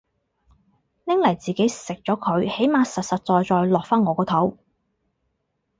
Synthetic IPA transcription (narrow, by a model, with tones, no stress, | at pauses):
nɪ˥ŋlɐ˨˩jt͡siː˨ke˨˥jsɪ˨k̚t͡sɔː˨˥kʰɵ˨˧ɥhe˨˥jmaː˨˧sɐ˨t̚sɐ˨t̚t͡sɔː˧jt͡sɔː˧jlɔː˨k̚faː˥nŋɔː˨˧kɔː˧t̪ʰo˨˥w